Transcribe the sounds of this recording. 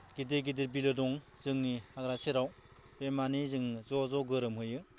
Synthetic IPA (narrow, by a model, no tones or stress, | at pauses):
ɡ̥idiɡidiɾbilɯdɔŋ | z̥ɯŋnihaɡɾaseɾaw | b̥emanizɯŋzɔzɔɡɯɾɯmɦɯjɯ